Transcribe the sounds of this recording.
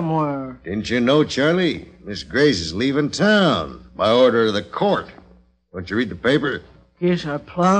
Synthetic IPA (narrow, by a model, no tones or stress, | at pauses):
mwɛɹd̥ɪdⁿn̩t͡ʃɨnoʊt͡ʃʰɑɹlˠimɪsɡ̥ɹeɪsɨzlivɨ̃ntʰãʊ̃nbaɪɔɹɾə˞ʌvðɨkʰɔɹt̚ | d̥õʊ̃nt͡ʃɨɹid̪̚ðɨpeɪpə˞ | kɛsapʰl̥ã